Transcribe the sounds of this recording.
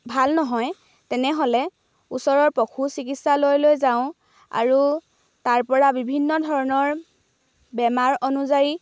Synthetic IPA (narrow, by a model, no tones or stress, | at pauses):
bʱalnɔɦɔj | tɛnɛɦolɛ | usɔɹɔɹpɔkʰusikitsalojlojzaʊ̃ | a̰ɹu | taɹpɔɹabibʱinːɔdʱɔɹɔnɔɹ | bɛmaɹɔnuzaɹi